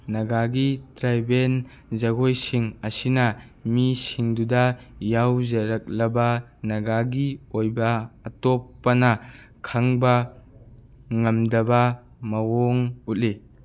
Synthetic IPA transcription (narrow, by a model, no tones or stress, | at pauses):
nɐɡaɡitɾajben | zɐɡojsiŋɐsinɐmisiŋdudɐjawzɐɾɐk̚lɐbɐnɐɡaɡiojbɐːtɔpːɐnɐ | kʰɐŋbɐ | ŋɐmdɐbɐ | mɐwɔŋut̚li